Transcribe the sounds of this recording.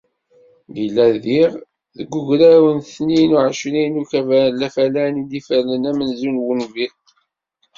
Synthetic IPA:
bilːæðiʁ | ðəɡuʝɾæwənθninuʕəʃlinukævælæfælænid̪ifælənæmənzunwənvi

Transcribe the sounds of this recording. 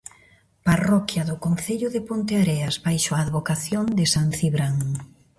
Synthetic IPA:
parɔkjɐðʊkonθeʎʊðepont̪eaɾɛɐzβajʃoaːðβokaθjond̪ɪsanθiβɾaŋ

